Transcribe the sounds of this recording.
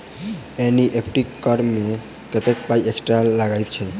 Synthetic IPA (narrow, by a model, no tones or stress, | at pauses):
eniʔepʰʈikːɔɾme | ket̪ekpajeksʈalaɡajt̪t͡ʃʰe